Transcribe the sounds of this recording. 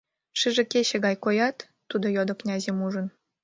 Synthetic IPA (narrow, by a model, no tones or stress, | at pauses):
ʃɨʒĕkeɕĕɣɑjkojɑt̪ːud̪ojod̪ŏknʲɑzemuʒə̆n